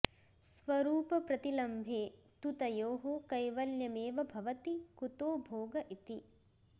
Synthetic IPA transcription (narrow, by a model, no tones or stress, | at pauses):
sʋɐɾuːpɐpɾɐt̪ilɐmbʱeː | t̪ut̪ɐjoːɦokɐjʋɐljɐmeːʋɐbʱɐʋɐt̪ikut̪oːbʱoːɡɐʔit̪i